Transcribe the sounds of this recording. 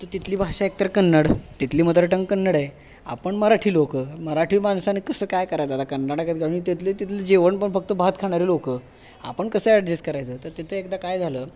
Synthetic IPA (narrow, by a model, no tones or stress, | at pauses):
t̪ət̪it̪ʰliːbʱaʂaek̚t̪əɾəkənːəɽt̪it̪liːmət̪ɾəʈəŋɡkənːəɽaj | a̰pəɳməɾaʈʰiːlokəːməɾaʈʰiːmansanekəsəːkajkəɾajt͡sat̪akənːaɽakat̪̚ɡʱeluit̪et̪let̪it̪lid͡ʑeʋəɳpəɳfək̚t̪əbaɦət̪kʰaɽ̃aɾilokəː | a̰pəɳkəsəːaʈd͡ʑeskəɾajt͡səːt̪əɾt̪et̪ʰəekd̪akajd͡zʱaləː